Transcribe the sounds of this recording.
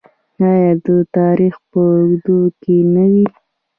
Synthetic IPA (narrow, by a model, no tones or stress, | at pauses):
ɑjɑd̪ət̪ɑɾixpəʊɡd̪okenawi